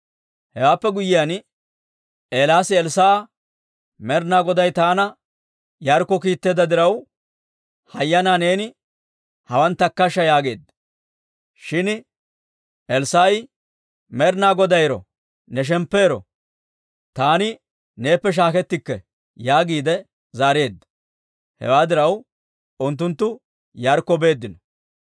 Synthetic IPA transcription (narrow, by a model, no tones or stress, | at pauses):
hɛwaːpːɛɡʊjːɪjan | e̞ːlaːsɪɛlsaː | mɛɾnaːɡɔd̪ɐjt̪aːnɐ | jɐɾkːɔkiːt̪ːe̞ːd̪ɐd̪ɪɾɐw | hɐjːɐnaːne̞ːnɪ | hɐwɐnt̪ːɐkːɐʃɐjaːɡe̞ːd̪ | ʃɪn | ɛlsaːj | mɛɾnaːɡɔd̪ɐjɾɔ̰ | nɛʃ̬ɛmpːe̞ːɾɔ̰ | t̪aːnɪ | ne̞ːpːɛʃ̬aːkɛt̪ːɪkːɛ | jaːɡiːd̪ɛ | zaːɾe̞ːd̪ːɐ̥ | hɛ̰waːd̪ɪɾɐw | ʊnt̪̬ːʊnt̪ːʊ | jɐɾkːɔbe̞ːd̪ːɪnɔ